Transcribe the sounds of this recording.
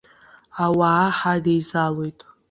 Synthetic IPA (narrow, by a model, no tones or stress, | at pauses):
awaːħadejzalo̞jtʼ